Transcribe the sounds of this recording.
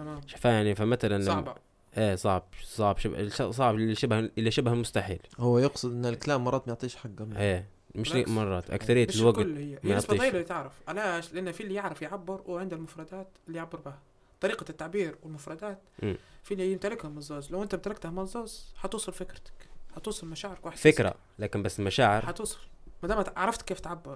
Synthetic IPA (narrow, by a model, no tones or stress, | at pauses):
t̪æmaːmʃḁfæjaʕnifamæt̪ælæn | ʔæːsˤɑʕbsˤɑʕbʃabʃsˤɑʕbʃɪbhʔɪlːæʃɪbhælmʊst̪aħiːlhʊwːæjɑqsˤɨd̪ʔɪnːɪlkalaːmːɑrˤːɑːt̪majeʕt̪ˤiːʃħaɡːæmæː | mɪʃmɑrˤːɑːt̪ʔa̰kθaɾɪjːalwaɡklːhɪjːæmnjstːbæiːˤlalit̪ɪʕɾɪfʔalaːʃlɪʔanːfiːlijɪʕɾɪfjʕabːɪɾwʕɪnd̪ælmʊfɾˤɑd̪aːt̪ɪlːijʕabːɪɾˤbɪhæ | t̪ˤɑɾiːqɑt̪ːaʕbiːɾwɪlmʊfɾˤɑd̪æːt̪ʔfiːlijɪmt̪ælɪkhæmɑzˤːɑːzˤlæwʔɪnt̪æbt̪ælɑkt̪hæmɑzˤːɑːzħɑt̪uːsˤɑlfɪkɾt̪æ̥khɑt̪uːsˤɑlmæʃaːʕɪɾɪkwaħd̪fɪkɾæ̰ | læːkɪmbæsːlmæʃaːʕɪɾhɑt̪uːsˤɑ̥lmæd̪æːmæʕɾˤɑft̪kːeːft̪ʕabːɑɾˤ